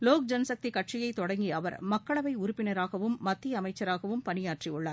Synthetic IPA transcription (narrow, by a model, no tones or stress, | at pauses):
loːk̚d͡ʒɐnɐsɐk̚t̪ikɐʈt͡ʃɪjɐɪt̪ːɔɽɐŋɡiɐʋɐ̰ɾmɐkːɐɭɐʋɐɪʊɾʊpːɪnɐɾaːɣɐʋɯmːɐt̪ːɪɐmɐɪt͡ʃːɐɾaːɣɐʋɯmpɐnɪjaːʈriʊɭːaːɾ